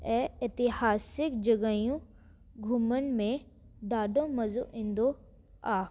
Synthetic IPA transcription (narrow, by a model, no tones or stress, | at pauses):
ɛɪt̪ɪhaːsɪkd͡ʒɐɡəjũ | ɡʱumənmẽ | ɖaːɖõmɐzoʔɪ̃nd̪o | aː